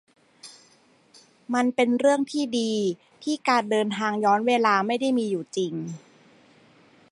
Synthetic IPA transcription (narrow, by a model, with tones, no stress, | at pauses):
ma˧npe˧nɾɯ˥˩əŋt̪ʰiː˥˩diː˧ | t̪ʰiː˥˩kaː˧˩n̚dɤː˧nt̪ʰaː˧ŋjɔː˦˥nweː˧laː˧ma˥˩jda˥˩jmiː˧juː˨˩t͡ɕi˧ŋ